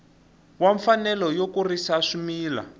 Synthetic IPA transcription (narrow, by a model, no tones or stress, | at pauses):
waɱfanɛlɔjokurisaʂumiːla̰